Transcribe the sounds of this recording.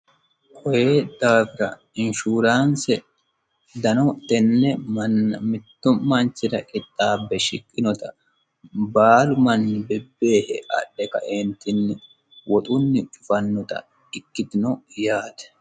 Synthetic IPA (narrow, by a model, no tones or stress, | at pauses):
kʰʼɔjed̪̥aːfɪɾɐ | ɪnʃuːɾaːnsɛ | d̪ɐnɔt̪ɛnːɛmɐnmɪt̪ːʊmɐnt͡ʃːɪd̪ɐʔʼɪt̪ʼːaːbːɛʃɪkʼːɪnɔt̪ɐ | baːlʊmɐnːɪbɛbːe̞ːhɛ̰ɐ̰ɗːɛkɐ̰ʔent̪ʰɪnːɪ | wɔt̪ʼʊnːɪt͡ʃʼʊfɐnːɔt̪ɐ̰ | ɪkːɪt̪ɪnɔjaːd̪ɛ̥